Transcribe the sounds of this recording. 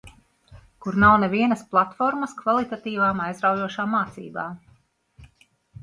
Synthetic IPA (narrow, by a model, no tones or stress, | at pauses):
kuɾnawnɛviɛnəsplˠat̪fɔɾməskvalˠit̪at̪iːvaːmajzɾawjuɔʃaːmːaːt̪sḭːba̰ː